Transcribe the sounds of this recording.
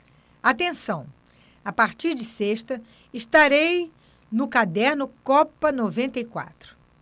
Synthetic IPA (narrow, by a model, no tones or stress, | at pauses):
at̪ẽsɐ̃w̃ | apaɾt͡ʃiɾd͡ʒɪseʃt̪ɐ | ɪʃt̪aɾej | nʊkad̪ɛɾnʊkɔpɐnovẽnt̪ɐjkwa̰t̪ɾʊ̥